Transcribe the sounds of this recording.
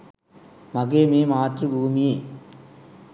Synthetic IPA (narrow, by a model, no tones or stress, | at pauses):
mɐɣeːmeːmaːt̪rɯbʱuːmɪjeː